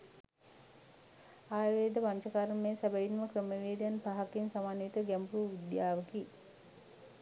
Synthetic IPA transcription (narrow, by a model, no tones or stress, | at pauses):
aːjʋeːd̪əpaɲt͡ʃɐkaɾɐmeːsabɐjinməkɾəmɐʋeːd̪janpaɦɐkinsamaːnit̪əɡɛmpuʋid̪jaːʋɐki